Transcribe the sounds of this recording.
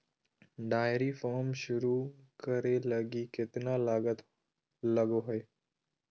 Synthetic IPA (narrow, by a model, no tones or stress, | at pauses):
ɖaːɪɾiːfɔːɾmʃʊɾuːkəɾeːləɡiːkɪt̪naːlaːɡət̪ | ləɡoːɦoeː